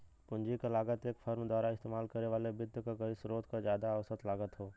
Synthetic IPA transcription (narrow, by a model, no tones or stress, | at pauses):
pʊ̃ɲd͡ʒikalaːɡət̪eːkfʰɐɾmd̪waːɾaɪst̪eːmaːlkɐɾneʋaːlebɪd̪ʱjkakɐisɾoːt̪kazjaːd̪aːʋsət̪laːɡət̪ɦoː